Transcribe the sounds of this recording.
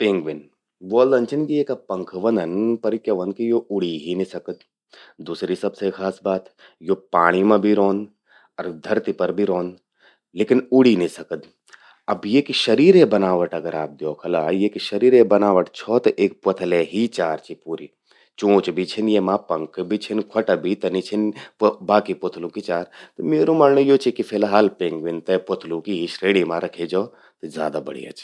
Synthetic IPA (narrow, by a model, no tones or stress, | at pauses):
pɪ̃ŋɡʋɪn | ʋoːld̪ɐ̃nt͡ʃʰɪnkieːkɐpɐ̃ŋkʰʋɐnɐnpɐɾɪkjɐʋɐnkijoʔʊɽiɦinisɐkəd̪ | d̪uːsɾisɐbsekʰaːsbaːt̪ | joːpaːɽ̃imɐ̃bʱiɾoːnd̪ | ɔɾd̪ʱɐɾt̪ipɐɾbʱiɾoːn | leːkɪnʊɽinisɐkəd̪ | ɐbjekiʃɐɾiːɾebɐnaːʋɐʈɐɡəɾaːp̚d̪jɔːkʰɐlajeːkiʃɐɾiːɾebɐnaːʋəʈt͡ʃʰɔːt̪ɐʔeːk̚pɐt̪ʰleɦit͡ʃaːɾt͡ʃʰipuːɾi | t͡ʃõːt͡ʃbʱit͡ʃʰinjemãːpɐŋkbʱit͡ʃʰinkʰwɐʈɐbʱit̪ɐnit͡ʃʰinbaːkipot̪ʰlũkit͡ʃaːɾt̪ɐmeːɾumaːnnəjot͡ʃʰikifʰeːlaɦaːlpẽːŋɡʋint̪ɐpot̪ʰlũkiɦiʃɾeːɽimãːɾɐkʰed͡ʒɔː | t̪ɐzja̰ːd̪aːbɐ̰ɽḭːa̰ːt͡ʃ